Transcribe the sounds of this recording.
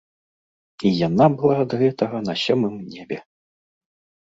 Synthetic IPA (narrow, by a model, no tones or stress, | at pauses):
ijan̪abɨlˠaːd̪ɣɛt̪ɐɣɐnɐsʲɔmɨmnʲɛbʲɛ